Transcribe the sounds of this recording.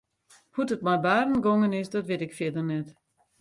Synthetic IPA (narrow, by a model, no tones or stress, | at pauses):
hutət̚majbaːrənɡoŋənɪsdɔtʋɪtɪkfjɪdərnɛt